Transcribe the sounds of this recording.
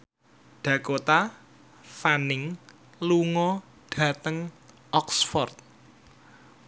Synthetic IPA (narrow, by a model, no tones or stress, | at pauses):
ɖ̪̥ä̤kot̪a | fanɪŋ | luŋɔ | ɖ̥ä̤t̪əŋ | ʔɔksfɔrt̪̚